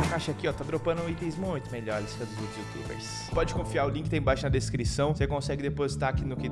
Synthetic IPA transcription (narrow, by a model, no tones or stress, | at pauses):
kaʃɐkiɔt̪ad̪ɾopɐ̃nd̪ʊ̃it̪ẽj̃zmũj̃t̪ʊmeʎɔɾiskɛd̪ʊzut̪ʊzut̪ṵbḛɾs | pɔd͡ʒɪkõfiaɾʊlĩkɪt̪ẽj̃bajʃʊnɐd̪eskɾisɐ̃w̃sekõsɛɡɪd̪epozit̪akinʊkɪ